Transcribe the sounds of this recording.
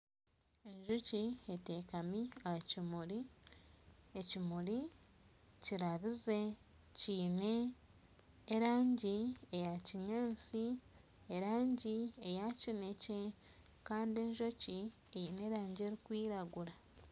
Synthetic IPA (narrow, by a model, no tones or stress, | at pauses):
e̞ɲʒucie̞te̞ːkamiacimuɾi | ecimuɾi | ciɾaβize̞ | ciːne̞ | ɾaːɲɟiejaciɲaːnsi | eɾaːɲɟiejacinece̞ | kaːndie̞ɲʒoci | eine̞ɾaːɲɟe̞ɾikwiːɾaɡuɾa